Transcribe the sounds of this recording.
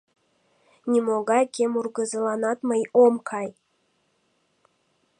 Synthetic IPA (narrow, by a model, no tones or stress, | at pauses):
nʲimoɡɑjkʲemurɡə̆zɤlɑnɑt̪məjomkʰɑj